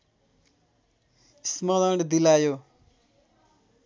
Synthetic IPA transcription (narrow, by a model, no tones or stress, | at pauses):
smʌd̪ʌɽd̪ilajo